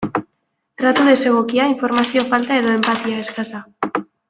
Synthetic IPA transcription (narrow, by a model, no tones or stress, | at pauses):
t̪ɾat̪uðeseɣokiaiɱfoɾmaθjofalt̪aeðoempat̪jaeskasa